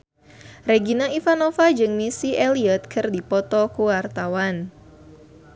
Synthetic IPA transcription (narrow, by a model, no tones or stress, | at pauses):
reɡinaifanofad͡ʒɨŋmisiʔeliɔt̪̚kʰɨrdipɔt̪ɔkuwart̪awan